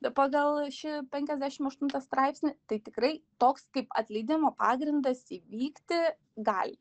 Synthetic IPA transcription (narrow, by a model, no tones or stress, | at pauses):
pɑːɡɐlˠʃʲɪpʲɛŋʲkʲɛzʲd̪ʲæʃʲɪmɐʃt̪ʊnt̪ɐst̪ɾɑɪpʲsʲnʲɪt̪ɐɪt̪ʲɪkɾɐɪt̪oːkskɐɪpɐ̰t̪ʲlʲɛɪd̪ʲɪmoːpɑːɡɾʲɪnd̪ɐsiːʋʲiːkt̪ʲɪ | ɡɑ̰ːlʲ